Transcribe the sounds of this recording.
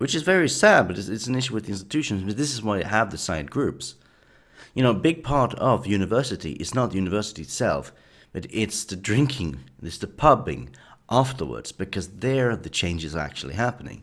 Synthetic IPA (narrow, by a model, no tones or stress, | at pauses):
wɨt͡ʃɨzvɛɹisæd̚bʌɾɨzɨtsn̩ɪʃʉwɨðiɪ̃nstɨ̥tʰʉʃɨ̃n̩zbʌt̪̚ðɪsɨzwaɪðəvðɨsaɪ̃d̚ɡ̥ɹʉps | jɨñoʊbɪɡ̚pʰɑɹɾʌvjʉnɨvɜ˞sɨɾḭʔɨ̰znət̪̚jʉnɨvɜ˞sɨɾiɨtsɛ̰lˠf | b̥ʌɾɪtsðɨdɹɪ̃ŋkʰɪ̃ŋðɨsðɨpʰʌbɪ̰̃ŋʔæftə˞wə̰˞dz̥b̥ɨkʰʌzðə˞ðɨt͡ʃʰẽɪ̃nd͡ʒɨzə˞æ̰k̚t͡ʃul̩ˠḭɦæpənɪ̰̃ŋ